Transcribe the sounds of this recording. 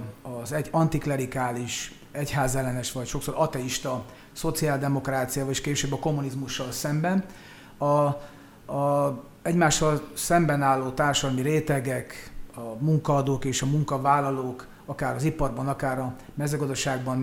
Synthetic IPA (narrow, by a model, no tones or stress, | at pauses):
ɒzɛɒnt̪iklɛɾikaːliʃ | ɛchaːzɛlːɛnɛʃʋɒcʃo̞kso̞ɾʔɒt̪ɛiʃt̪ɒ | so̞t̪siaːld̪ɛmo̞kraːt̪sijaːvɒleʃkeːʃøːbːɒko̞mːunizmuʃːɒlsɛmbɛn | ɒ | ɛɟmaːʃːɒlsɛmbɛnaːlːoːt̪aːrʃɒd̪ɒmiɾeːt̪ɛɡɛkɒmuŋkɒːd̪oːkeːʃɒmuŋkɒvaːlːɒloːk | ɒkaːɾɒzipɒrbɒnɒkaːɾɒ | mɛzøːɡɒd̪ɒʃaːɡ̚bɒn